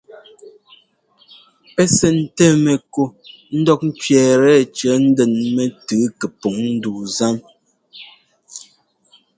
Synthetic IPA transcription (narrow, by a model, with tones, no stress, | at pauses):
pɛ˦sɛ˨n̩˨tɛ˦˨mɛ˨ko˦ | n̩˦dɔ˦k̚n̩˦t͡ʃɥɛː˨ɾɛ˦˨t͡ʃə˨˦n̩˦dɛ˨nmɛ˦˨tʉː˨˦kɛ˨po˨ŋn̩˦duː˨za˦m